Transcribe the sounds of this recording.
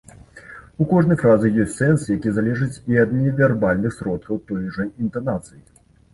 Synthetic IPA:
ukɔʐnɐjfɾazɨjɔsʲtʲsɛnsjakʲizalʲɛʐɨt͡sʲiɐd̪nʲɛvʲɛrbalʲnɨxsɾɔt̪̚kɐwt̪ɔjʐɐint̪ɐnat̪sɨji

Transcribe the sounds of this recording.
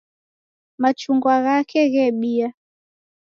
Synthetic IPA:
mat͡ʃuŋɡwaɣakɛɣɛɓia

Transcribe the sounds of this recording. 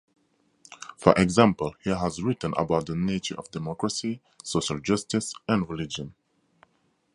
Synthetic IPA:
fə̰ɹʔɛɡzæ̃mpəlˠhiɦəzɹɪtə̃nʔə̰baʊt̪̚ðəneɪt͡ʃə̰˞ʔʌ̰vdɛmɔkɹəsi | soʊʃəlˠd͡ʒʌstɪsæ̃nɹɪlɪd͡ʒə̃n

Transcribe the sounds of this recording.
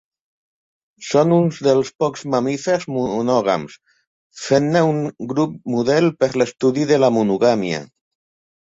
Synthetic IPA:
sonunzðelˠspɔkz̥mamifeɾzmuunɔɣ̞a̰ms | fenːeuŋɡɾup̚muðɛlpeɾlest̪uðiðelamunuɣamja̰

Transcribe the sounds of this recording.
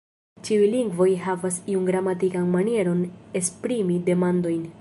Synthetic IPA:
t͡ʃiujliŋɡvo̞jɦavasiunɡɾamatikanmanie̞ɾo̞ne̞spɾimide̞mando̞jn

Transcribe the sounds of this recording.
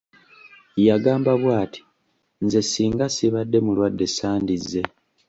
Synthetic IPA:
jaɡaːmbaβwaːtʰi̥ | nzesiːŋɡasiβadːe̞mulwadːe̞saːndizːe̞

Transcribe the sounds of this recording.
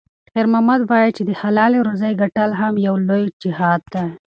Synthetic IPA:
qeɾmamad̪wɑjit͡ʃed̪əhalɑleɾozajɡaʈalɦamjawlojd͡ʒɪhɑd̪̚ːa

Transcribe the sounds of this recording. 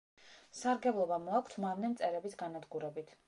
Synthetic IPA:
saɾɡɛblˠɔbamɔakʰʷt̪ʰmavnɛmt̪sʼɛɾɛbisɡanad̪ɡuɾɛbit̪ʰ

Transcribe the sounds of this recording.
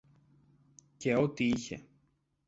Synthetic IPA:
ceot̪iiçḛ

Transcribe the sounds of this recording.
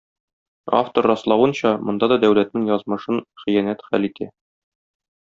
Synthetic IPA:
a̰ft̪orːɑslˠɑwɤ̆nɕɑmŏnd̪ɑd̪ɒd̪æwlæt̪nɘŋjɒzmɤ̆ʃɤnχĭjænæt̪χælit̪ʰæ

